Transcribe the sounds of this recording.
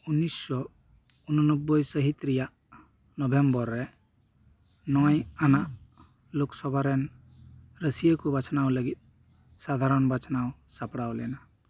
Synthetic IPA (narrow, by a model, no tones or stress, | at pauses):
unːisːɔ | unɔnɔbːɔjsəɦit̪ɾijaʔ | nɔbʱembɔɾːɛ | nɔjanaʔ | loksɔbʱaɾɛn | ɾəsijəkubat͡ʃʰnaʊləɡit̪̚ | sad̪ʱaɾɔnbat͡ʃʰnaʊsapɽawlɛna